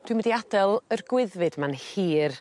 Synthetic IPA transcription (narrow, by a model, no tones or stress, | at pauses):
d̥ʰwimədiadɛlˠərɡwɪðvɨd̥manhiːr